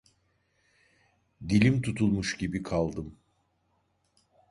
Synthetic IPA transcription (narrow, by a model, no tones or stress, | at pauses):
ɟ̪ilʲimt̪ʰut̪ʰulˠmuʃɟibikʰalˠd̪ɯm